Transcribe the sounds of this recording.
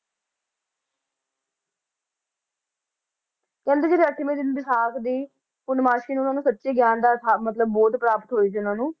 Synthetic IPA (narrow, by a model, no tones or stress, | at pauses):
kɛ̃ːnd̪eːd͡ʒeɾeːəʈʰːimẽːd̪ɪnbɪsaːkd̪iː | pʊnmaːʃkiːñːʊnãːnũːsət̪ːʃeːɡjaːnd̪aːt̪ʰaːmət̪ləbːɔːt̪pɾaːpət̪ɦoːiːt͡ʃʰiːʊnãːnũː